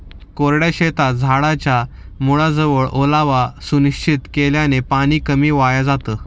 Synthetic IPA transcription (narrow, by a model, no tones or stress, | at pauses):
koɾɽjaɕet̪ad͡zʱaɽat͡ɕa | muɭad͡zəʋəɭʔolaʋasuniɕt͡ɕʰit̪keljanepaɽ̃iːkəmiːʋajad͡zat̪əː